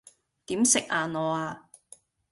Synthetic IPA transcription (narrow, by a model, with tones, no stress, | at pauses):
t̪iː˨˥msɪ˨k̚ʔaː˨˧nɔː˨˧aː˧